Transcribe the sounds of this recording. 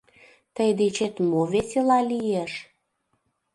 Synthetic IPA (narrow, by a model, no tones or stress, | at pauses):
t̪əjd̪et͡ɕet̪moveselɑlijeʃ